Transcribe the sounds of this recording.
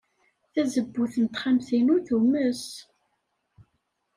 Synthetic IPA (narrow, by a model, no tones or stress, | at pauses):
θæzəbːuθənt̪χamθinʊɾθuməs